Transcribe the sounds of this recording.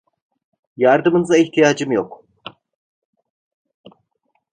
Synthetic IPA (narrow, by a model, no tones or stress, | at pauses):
jaɾd̪ɯmɯnɯzaiht̪ʰijaːd͡ʒɯmjok